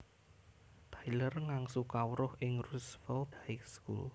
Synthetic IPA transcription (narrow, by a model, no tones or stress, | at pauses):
t̪ʰajlərŋaŋsukawɾʊhɪŋrusfɛlt̪hajkskṵl